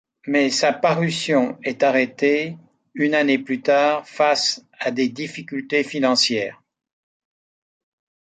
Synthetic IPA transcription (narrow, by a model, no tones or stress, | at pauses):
mɛsapaʁysjɔ̃ɛt̪aʁet̪e | ynaneplyt̪aːʁfasad̪ed̪ifikʲylt̪efinɑ̃sjɛːʁ